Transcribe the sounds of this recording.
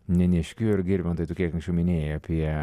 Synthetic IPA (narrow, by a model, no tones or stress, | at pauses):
nʲɛnʲɛʃʲkʲuːɪɾɡʲɪɾʲbʲɛmt̪ɐɪt̪oːkʲiɛkɐŋksʲt͡ʃʲɛʊmʲɪnʲeːjɛɐpʲiɛ